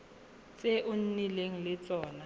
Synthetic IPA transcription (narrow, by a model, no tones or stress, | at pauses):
t͡sʼeʔʊn̩nileŋ̩lɪt͡sʼɔːna